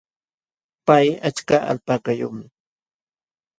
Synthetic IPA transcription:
pajat͡ʃkaa̰lpaːkajʊːmɪ

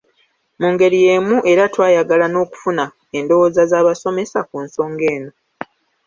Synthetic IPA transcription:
muŋɡe̞ɾije̞ːmuʔe̞ɾatwaːjaɡalano̞ːku̥funa | endo̞woːzazaːβaso̞me̞sakunso̞ːŋɡe̞ːno̞

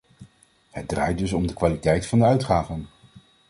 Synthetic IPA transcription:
həd̚dra̰ːjdɵs̬ɔmdəkʋaːlitɛjtfɑndəœɥtχaːvən

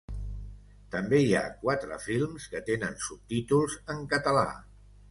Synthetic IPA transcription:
t̪əmbeia̰kwat̪ɾə̰filˠmskət̪enənsup̚t̪it̪ulˠzəŋkət̪əla̰

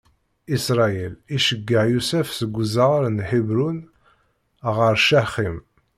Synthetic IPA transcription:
isɾˤɑjiliʃəɡːəʕjusæfsəɡʷːzəɾnħibɾun | ʁəɾʃæχim

